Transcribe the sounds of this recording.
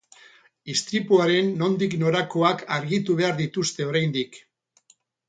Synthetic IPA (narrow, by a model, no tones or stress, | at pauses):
ist̪ɾipuaɾe̞nːo̞nd̪ikno̞ɾako̞akaɾɣit̪uβ̞e̞aɾðit̪ust̪e̞o̞ɾajnd̪ik